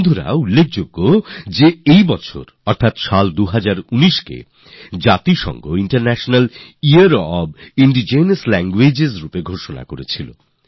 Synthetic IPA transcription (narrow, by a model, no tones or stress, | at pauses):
d̪ʱoɾa̰ulːek̚ʰd͡ʑoɡːod͡ʑeejbɔt͡ɕʰo̰ɾ | ɔɾt̪ʰat̪ʃald̪uɦad͡ʑaɾuniʃkḛ | d͡ʑat̪iʃɔ̰ŋɡoiɳʈaɾnɛʃonaliaɾɔbiɳɖid͡ʑejnaslɛŋɡwed͡ʑezɾupeɡʱoʃona̰koɾet͡ɕʰilo̰